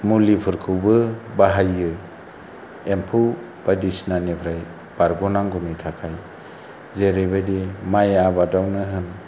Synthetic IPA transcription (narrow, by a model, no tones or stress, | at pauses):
mulipʰɯɾkʰɯwbɯbaɦajɡɯ | empʰuw | b̥adisnanipʰɾaj | b̥aɾɡɔnaŋɡumitʰakʰaj | zeɾebajdimajabadawnɯɦɯn